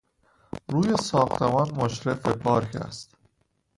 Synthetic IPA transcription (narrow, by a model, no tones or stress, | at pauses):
ɾuːjesɒːxt̪ʰemɒːnmoʃɾefepʰɒːɾkʰæ̰st̪